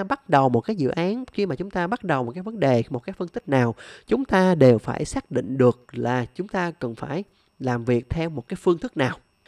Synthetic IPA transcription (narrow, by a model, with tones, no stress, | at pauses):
ɓa˦˥t̚ɗə˨˩wmo˨˩t̚kaː˨˦jzɨ̰˧˨ʔaː˨˦nxi˧maː˨˩t͡ɕʊ˨˦ŋ͡mt̪aː˧ɓa˦˥t̚ɗə˨˩wmo˨˩t̚kaː˨˦jvə˨˦nɗe˨˩mo˨˩t̚kaː˨˦jfɨ˧nt̪ʰi˦˥k̟̚naː˨˩wt͡ɕʊ˨˦ŋ͡mt̪aː˧ɗe˨˩wfa̰ː˧˩jsaː˦˥k̚ɗḭ˧˨ŋ̟ɗɨ˨˩ək̚laː˨˩t͡ɕʊ˨˦ŋ͡mt̪aː˧kə˨˩nfaː˧˩j | laː˨˩mvi˨˩ək̚t̪ʰɛ˧wmo˨˩t̚kaː˨˦jfɨ˧ənt̪ʰɨ˦˥k̚naː˨˩w